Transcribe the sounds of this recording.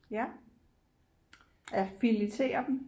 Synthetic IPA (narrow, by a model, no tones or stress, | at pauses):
jæ | æfilit͡sʰe̝̰ːɐd̥en